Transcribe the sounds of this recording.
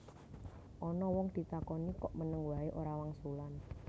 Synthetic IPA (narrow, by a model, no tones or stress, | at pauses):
ʔɔnɔwɔŋd̪̥i̤t̪akɔnikɔʔmənəŋwaeʔoɾawaŋsulan